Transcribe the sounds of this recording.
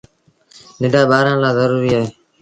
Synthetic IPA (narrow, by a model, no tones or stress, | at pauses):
nɪɖʱaːɓaːɾãːlaːzəɾuːɾiːaːɦeː